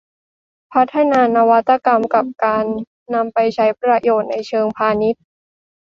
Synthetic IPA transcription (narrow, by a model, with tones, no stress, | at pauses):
pʰa˦˥t̪ʰːa˧naː˧na˧wa˦˥t̪ːa˧˨ka˧mka˨˩p̚kaː˧nː | a˧mpa˧jt͡ɕʰa˦˥jpɾa˧joː˨˩t̪̚na˧jt͡ɕʰɤː˧ŋpʰaː˧ni˦˥t̪̚